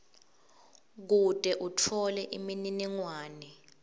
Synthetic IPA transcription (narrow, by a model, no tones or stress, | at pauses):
k̬udʼʱɛʔutʰɔlɛʔimininiŋwaːnɛ